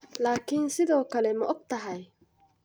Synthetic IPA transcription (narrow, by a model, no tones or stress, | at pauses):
laːkʰɪnsɪðɔːkʰɐlɛmɐʔɔɡ̚t̪ʰɐɦɐj